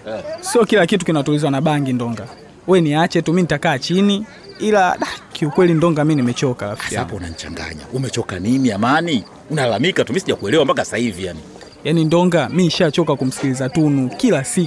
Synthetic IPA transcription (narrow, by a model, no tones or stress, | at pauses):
siɔkilakitukinatulizwanaɓaŋɡindɔŋɡa | wɛniat͡ʃɛtuminitakaːt͡ʃini | ilaɗakiukwɛlindɔŋɡaminimɛt͡ʃɔkalafiaapɔunan̩t͡ʃa̰ŋɡa̰ɲa̰umɛt͡ʃɔkanimiamani | unalamikatumisiʄakuɛlɛwambakasaivijani | janindɔŋɡamiʃat͡ʃɔkakum̩si̥kilizatunukilasik